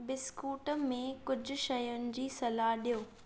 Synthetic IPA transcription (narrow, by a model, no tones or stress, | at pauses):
bɪskuːʈəmẽkʊd͡ʑʱʊ̆ʃɐjʊnɪ̆d͡ʑiːsɐlaɦɗijoː